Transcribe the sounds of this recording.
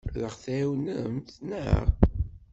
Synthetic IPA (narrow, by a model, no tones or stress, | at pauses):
ðəχθæwnəmθnə̰ʁ